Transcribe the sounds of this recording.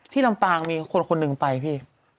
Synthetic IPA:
t̪ʰiː˥˩la˧mpaː˧ŋmiː˧kʰo˧nkʰo˧nːɯ˧ŋpa˧jpʰiː˥˩

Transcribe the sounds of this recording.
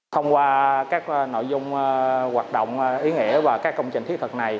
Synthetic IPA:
xə˧wŋ͡mkwaː˧kaː˦˥k̚ːno̰˧˨jzʊ˧ŋ͡mwaː˨˩t̚ɗo̰˧˨wŋ͡mʔi˨˦ŋḭ˧˩əvaː˨˩kaː˦˥kːə˧wŋ͡mt͡ɕï˨˩ŋ̟t̪i˦˥t̪ʰɨ˨˩k̚na˨˩j

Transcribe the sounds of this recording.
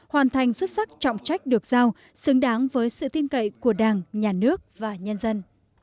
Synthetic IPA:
hwaː˨˩nt̪ʰa˨˩jŋ̟swə˦˥t̚sa˦˥k̚t͡ɕɔ̰˧˨wŋ͡mt͡ɕa˦˥jk̟̚ɗɨ˨˩ək̚zaː˧w | sɨ˨˦əŋɗaː˨˦ŋvəː˨˦jsɨ̰˧˨t̪i˧ənkə̰˧˨jku˧˩əɗaː˨˩ŋɲaː˨˩nɨ˦˥ək̚vaː˨˩ɲə˧nzə˧n

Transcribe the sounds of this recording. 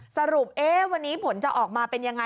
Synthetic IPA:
sa˧ɾu˨˩p̚ʔeː˦˥wa˧nːiː˦˥pʰo˩˦nt͡ɕa˨˩ʔɔː˨˩k̚maː˧pe˧nja˧ŋːa˧

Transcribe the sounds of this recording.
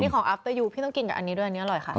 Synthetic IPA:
niː˦˥kʰːŋʔa˦˥p̚t̪ɤː˧juː˧pʰiː˥˩ɔ˥˩ŋki˧nka˨˩ʔa˧niː˧˦du˥˩jʔa˧niː˦˥ʔa˧ɾɔ˨˩jxʰa˦˥˩ʔ

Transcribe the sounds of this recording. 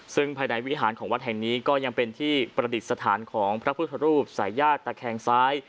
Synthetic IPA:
sɯ˥˩ŋpʰaː˧jna˩˦jwi˦˥ɦaː˩˦nkʰɔː˩˦ŋwa˦˥t̪̚ɦɛ˨˩ŋniː˦˥kɔː˥˩ja˧ŋpe˧nt̪ʰiː˥˩pɾa˧di˨˩t̪̚sa˧t̪ʰaː˩˦nkʰɔː˩˦ŋpʰɾa˦˥pʰu˥˩t̪ʰa˧ɾuː˥˩p̚saː˩˦jːaː˥˩t̪ːaː˨˩kʰɛː˧ŋsaː˦˥j

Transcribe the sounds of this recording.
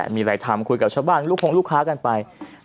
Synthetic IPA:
miː˧ɾa˨˧jt̪ʰa˧mkʰu˧jka˨˩t͡ɕʰaː˥˩wbaː˥˩nluː˥˩kʰo˧ŋluː˥˩kʰːaː˦˥ka˧npa˧j

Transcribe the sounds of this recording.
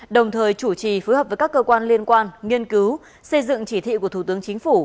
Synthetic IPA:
ɗə˨˩wŋ͡mt̪ʰəː˨˩jt͡ɕu˧˩t͡ɕi˨˩fə˨˦jə˨˩p̚vəː˨˦jkaː˦˥kːəː˧kwaː˧nli˧ənkwaː˧nŋi˧ənkɨ˨˦w | sə˧jzɨ̰˧˨ŋt͡ɕi˧˩t̪ʰḭ˧˨ku˧˩ət̪ʰu˧˩t̪ɨ˨˦əŋt͡ɕï˨˦ŋ̟fu˧˩

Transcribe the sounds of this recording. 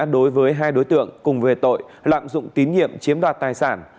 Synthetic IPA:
ɗo˨˦jvəː˨˦jɦaː˧jɗo˨˦jt̪ɨ̰˧˨əŋkʊ˨˩ŋ͡mve˨˩t̪o̰˧˨jla̰ː˧˨mzʊ̰˧˨ŋ͡mt̪i˨˦nɲḭ˧˨əmt͡ɕi˨˦əmɗwaː˨˩t̚t̪aː˨˩jsaː˧˩n

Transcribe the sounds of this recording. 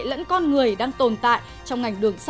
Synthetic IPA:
lə̰˧˥nkɔ˧nŋɨ˨˩əjɗaː˧ŋt̪o˨˩nt̪a̰ː˧˨j | t͡ɕɔ˧wŋ͡mŋa˨˩jŋ̟ɗɨ˨˩əŋs

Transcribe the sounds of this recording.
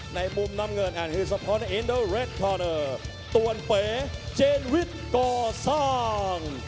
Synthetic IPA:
na˧jmu˧˩mna˧mŋəː˧nʔaː˨˩nhɯː˧˩sa˧pʰɔ˦˥na˧˩ʔi˧˥ndəː˧ɾe˦˥t̪̚kʰɔː˧nəː˧˩ | t̪u˨˩ənpeː˨˩˦t͡ɕeː˧nwi˦˥t̪̚kɔː˧˩saː˥˧˩ŋ

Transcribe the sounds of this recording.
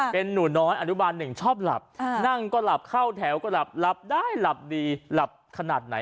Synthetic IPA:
pe˧nːuː˩˦nɔː˦˥jʔa˧t̪ʰu˦˥baː˧nːɯ˨˩ŋt͡ɕʰɔː˥˩p̚la̰˨˩p̚na˥˩ŋkɔː˥˩la˨˩p̚kʰa˥˩wt̪ʰɛː˩˦wkɔ˥˩la˨˩p̚la˦˥p̚daː˥˩jla˨˩p̚diː˧la˨˩p̚kʰa˧naː˨˩t̪̚na̰˩˦j

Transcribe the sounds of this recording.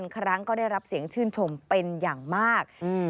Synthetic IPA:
nkʰɾa˦˥ŋkɔː˥˩daː˥˩jɾa˦˥p̚si˩˦əŋt͡ɕʰɯː˥˩nt͡ɕʰo˧mpe˧njaː˨˩ŋmaː˥˩k̚ː

